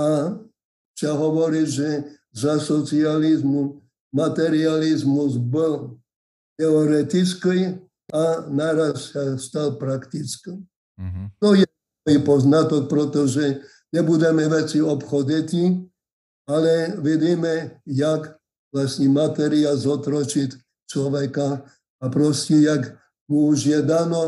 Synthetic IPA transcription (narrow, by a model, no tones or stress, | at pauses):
a | t͡ʃaɦɔʋɔɾiɟʒɛ | zasɔt͡sializmu | mat̪ɛɾializmuzbɔl | t̪ɛɔɾɛt̪it͡skij | anaɾassast̪alpɾakt̪it͡ski | t̪ɔjɛ | ipɔznat̪ɔk̚pɾɔt̪ɔʒɛ | ɲɛbud̪ɛmɛʋɛt͡siɔpxɔd̪ɛt̪i | alɛʋid̪imɛjak | ʋlasɲɛmat̪ɛɾialzɔt̪ɾɔt͡ʃitʲ | t͡ʃlɔʋɛkaː | pɾɔscɛjak | muuʒjɛd̪anɔ